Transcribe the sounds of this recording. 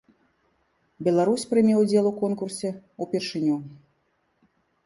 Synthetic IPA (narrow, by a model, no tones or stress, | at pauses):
bʲɛlˠaɾusʲpɾɨmʲɛwd͡zʲɛlˠukɔnkursʲɛupʲɛrʂɨnʲu